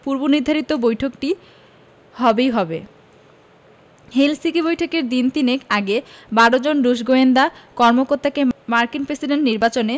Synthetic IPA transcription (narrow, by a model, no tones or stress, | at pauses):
puɾboniɾd̪ʱaɾit̪obojʈʰokʈi | hɔbejɦɔbe | ɦelsikibojʈʰokeɾd̪int̪inekaɡebaɽod͡ʑonɾuʃɡoend̪akɔɾmokoɾt̪akemaɾkinpɾesiɖeɳʈniɾbat͡ɕone